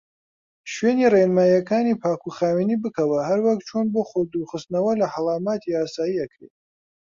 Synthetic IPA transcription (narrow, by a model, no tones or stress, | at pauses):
ʃweːnirenmaːjɐkʰaːnipʰaːkʰuχaːwinibɨkʰɐwɐɦɐɾwɐk̚t͡ʃʰonboχod̪uχɨst̪nɐwɐlɐħɐlˠaːmaːt̪ʰiaːsaːjiɐkʰɾḛt̪̚